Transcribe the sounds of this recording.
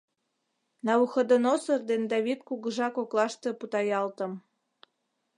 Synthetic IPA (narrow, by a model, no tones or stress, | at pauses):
nɑuxɤ̆d̪ənosɤ̆rd̪end̪ɑβit̪kuɣɤ̆ʒɑkoklˠɑʃt̪eput̪ɑjɑlt̪ɤ̆m